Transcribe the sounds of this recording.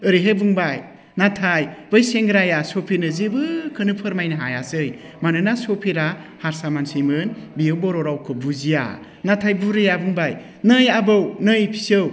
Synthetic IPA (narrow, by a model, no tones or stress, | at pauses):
ɯɾiɦebuŋbaj | natʰajbɯjseŋɡɾajasɔpʰiɾnɯzibɯkʰɯnɯpʰɯɾmajnɯɦajasɯj | manɯnasɔpʰiɾahaɾsamansɯjmɯnbijɯwbɔɾɔɾawkʰɯbuzija̰ | natʰajbuɾɯjabuŋbaj | nɯjabɯwnɯjpʰi̥sɯw